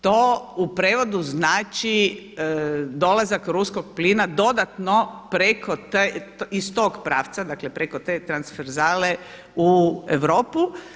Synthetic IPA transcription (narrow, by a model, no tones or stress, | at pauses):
t̪oːupɾeːʋo̞d̪uznaːt͡ʃi | d̪o̞lazakɾusko̞ɡ̚plinad̪o̞d̪at̪nopɾekot̪eist̪o̞ːɡpɾaːʋt̪sad̪akle̞pɾeko̞t̪eːt̪ɾansfeɾzaːle | ueʋɾo̞ːpu